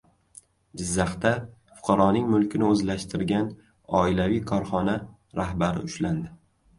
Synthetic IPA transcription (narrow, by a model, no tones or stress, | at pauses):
d͡ʒɪzːaχt̪afʊ̥qʰɑɾɒnɪŋmʊlkʲɪnɪɵzlaʃt̪ʰɪɾɡʲan | ɒɪlavijkʰɒɾχɒna | ɾahbaɾɪ̰ʊʃland̪ɪ